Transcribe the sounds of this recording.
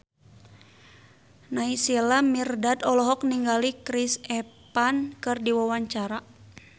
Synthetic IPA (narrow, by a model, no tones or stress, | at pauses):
naisilamirdad̪ɔlɔɦɔk̚niŋɡalikɾisɛpankɨrdiwawaɲt͡ʃaɾa